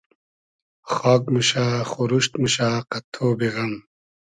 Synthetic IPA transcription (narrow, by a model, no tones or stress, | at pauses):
xɔːkmuɕaːxuɾuɕt̪muɕaːqɐt̪ʰːoːbiɣɐm